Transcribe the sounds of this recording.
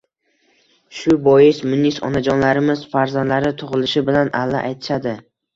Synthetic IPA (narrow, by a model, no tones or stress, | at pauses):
ʃʊbɒjɪsmʊnːisɒ̰nad͡ʒɒnlaɾɪmɪz̥faɾzand̪laɾɪt̪ʰʊʁɨlɪʃɪbɪlanalːa̰ʔajt̪ʰɪ̥ʃad̪ɪ